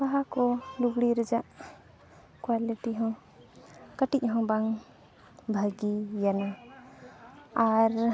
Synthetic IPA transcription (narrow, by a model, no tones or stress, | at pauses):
baɦakɔluɡɽiɾəd͡ʒaʔ | kwaliʈiɦɔ̃w | kəʈic̚ˀɦɔ̃wbaŋ | bʱəɡijana | ɾ